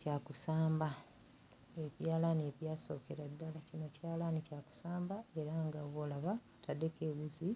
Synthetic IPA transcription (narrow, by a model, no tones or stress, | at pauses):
caːkusaːmba | eβjaːlaneβjaːso̞ːkeɾadːalacino̞caːlanicaːku̥saːmbae̞ɾaŋɡawoːlaβa | tadekeβuzi